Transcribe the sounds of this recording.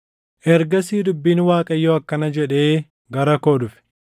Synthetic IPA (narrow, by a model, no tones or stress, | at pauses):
ʔɛɾɡɐsiːd̪ʊbːiːnwaːkʼɐjːoɐkːɐnɐd͡ʒɛᶑe̞ː | ɡɐɾɐkoːd̪ʊfɪ̥